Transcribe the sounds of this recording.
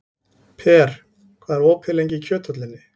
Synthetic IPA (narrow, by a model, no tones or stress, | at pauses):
pʰɛːɾ̥ | kʰvaːðɛɾoːwpʰɪlejɲcɪcʰœːt̪ʰœt̪lɪnːɪ